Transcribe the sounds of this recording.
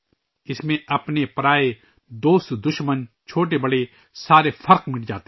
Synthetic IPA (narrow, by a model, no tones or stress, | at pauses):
ɪsmẽɐpnepɾaːe | d̪oːst̪d̪ʊʃmən | t͡ʃʰoːʈ̬ebɐɽe | saːɾepʰɐɾqmɪld͡ʒaːt̪e